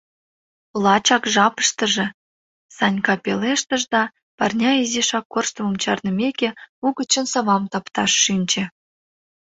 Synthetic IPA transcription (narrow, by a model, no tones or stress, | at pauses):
lˠɑt͡ɕɑkʒɑpə̥ʃt̪əʒĕ | sɑnʲkɑpeleʃt̪əʒd̪ɑ | pɑrnʲɑizeʃɑkːorʃt̪əmə̆mt͡ɕɑrnə̆mʲekʲeuɣət͡ɕə̆nsɑβɑmt̪ɑpt̪ɑʃːinʲt͡ɕĕ